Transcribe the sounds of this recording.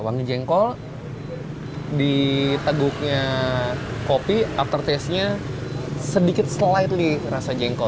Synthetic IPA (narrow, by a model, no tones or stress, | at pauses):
waŋid͡ʒɛŋkɔl | dit̪əɡʊk̚ɲa | kopiaft̪ərt̪ɛsɲa | sədikɪt̪̚slaɪt̪̚lirasad͡ʒɛŋkɔ